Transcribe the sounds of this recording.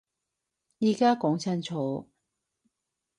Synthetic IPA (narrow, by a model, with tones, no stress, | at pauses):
jiː˨˧kaː˥kɔː˨˥ŋt͡sʰɐ˥nt͡sʰɔː˨˥